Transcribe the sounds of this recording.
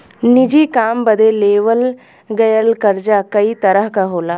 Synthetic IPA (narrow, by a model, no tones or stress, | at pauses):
nid͡ʒiːkaːmbəd̪ʱeleːʋəl | ɡɐjəlkəɾd͡ʒakɐit̪ɐɾəɦkaɦoːlaː